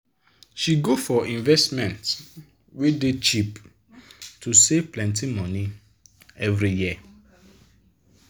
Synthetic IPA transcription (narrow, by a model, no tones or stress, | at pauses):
ʃiɡofɔĩnvɛstmɛ̃nt | wedet͡ʃip | tʰusevplɛ̃ntimɔ̃ni | ɛvɾiji